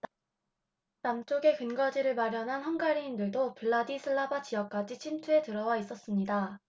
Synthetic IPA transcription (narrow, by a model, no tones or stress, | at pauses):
namt͡ɕ͈oɡe̞kɯnɡʌd͡ʑiɾɯɭmaɾjʌnɦanɦʌnɡaɾiːndɯɭdopɯɭːadisʰɯɭːabat͡ɕijʌk̚k͈ad͡ʑit͡ɕʰimtʰue̞tɯɾʌwais͈ʌs͈ɯmɲida